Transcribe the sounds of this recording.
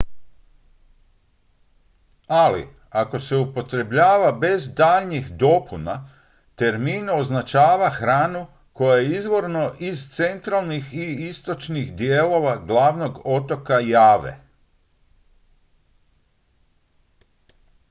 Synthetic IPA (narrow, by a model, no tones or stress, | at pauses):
alḭ | ako̞se̞upo̞t̪ɾe̞bʎaːʋabe̞zd̪aːʎɲixd̪o̞puna̰ | t̪e̞ɾmiːno̞znat͡ʃaːʋaxɾaːnu | ko̞jajeizʋo̞ɾno̞ʔizt̪se̞nt̪ɾalˠnixiist̪o̞t͡ʃnixd̪jelo̞ʋaɡlaːʋno̞ɡo̞t̪o̞kajaːʋḛ